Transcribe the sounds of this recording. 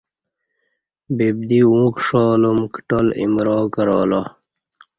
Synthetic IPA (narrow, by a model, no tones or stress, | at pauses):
bib̚d̪iũːkʂoːlumkʈolḭmɾoːkəɾɔ̰ːlɑ